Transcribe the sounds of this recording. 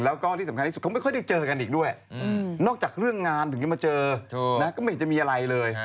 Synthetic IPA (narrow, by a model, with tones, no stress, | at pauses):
laː˧˩wkɔː˧˩t̪i˧sa˧˩mka˧˩˨xŋ͡mmː˧˦xɔː˧˦ɗk̚t͡ɕəː˨˧˩ka˨˩nɗi˨˩k̚ɗu˧˩əjnɔ˧˥˩t͡ɕaː˨˩k̚ɾɨ˧əŋːaː˨˧˩nt̪ŋiː˧˦maː˨˩t͡ɕəː˨˧˩naː˨˦˥kɔ˧˦me˧˩˨t͡ɕːɛ˧˩mi˧˨a˨˧˩la˨˧˩jləː˨˩j